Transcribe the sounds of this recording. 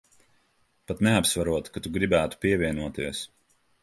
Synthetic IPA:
pat̪nɛapsvaɾuɔt̪kat̪uɡɾibæːt̪u̥pʲiɛvʲiɛnuɔt̪iɛs

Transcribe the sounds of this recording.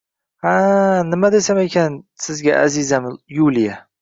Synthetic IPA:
anɪmad̪esamekʲansɪzɡʲaʔa̰zɪzamɪjulija

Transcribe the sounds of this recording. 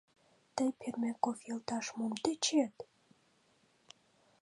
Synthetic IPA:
t̪əjpʰermʲekofjɤ̆lt̪ɑʃmumt̪et͡ɕet̪

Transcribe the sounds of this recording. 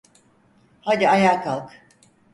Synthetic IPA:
had̪iajaːkʰalˠk

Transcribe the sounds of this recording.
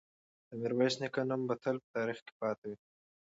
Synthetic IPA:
d̪̥əmiɾwasnikanumbɐt̪ʰɐlpə̥t̪ɑːɾixke̥pɑːt̪awi

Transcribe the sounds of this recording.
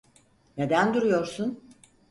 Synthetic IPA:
ne̞d̪ænd̪uɾujo̞ɾsun

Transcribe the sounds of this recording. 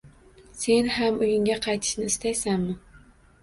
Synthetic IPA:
se̞nhamʊjɪŋɡʲaqʰɑjt̪ʰɪ̥ʃnɪɪst̪ajsanːɪ

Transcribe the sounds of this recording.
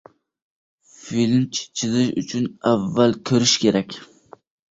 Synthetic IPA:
filmt͡ʃʰt͡ʃʰɪzɪʃʊ̰t͡ʃʰʊnavːalkʲʰɵɾɪʃkʲʰe̞ɾakʲ

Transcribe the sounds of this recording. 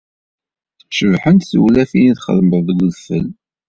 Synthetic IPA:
ʃəvħənt̪θəwlæfiniðχə̰ðməððɡʷəðfə̰l

